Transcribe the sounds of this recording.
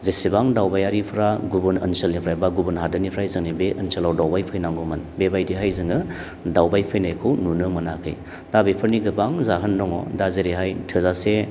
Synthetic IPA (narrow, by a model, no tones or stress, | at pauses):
zesibaŋdawbajaɾipʰɾaɡubunɐ̰nselnipʰɾajbaɡubunɦadɯnipʰɾajzɯŋnibeʔənselawdawbajpʰɯjnaŋɡɔmɐnbebajdiɦajzɯŋɯ | dawbajpʰɯjnajkʰɯwnunɯmɐnakʰɯ̰j | d̥abepʰɯɾniɡɯbaŋzaɦɯnːɔŋɔ̰dazeɾiɦajtʰɯzase